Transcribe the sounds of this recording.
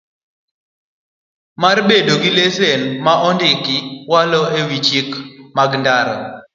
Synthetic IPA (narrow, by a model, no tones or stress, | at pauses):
marbedoɡɪlesenmaʔɔndɪkɪwalɔewit͡ʃikmaɡndaɾa̰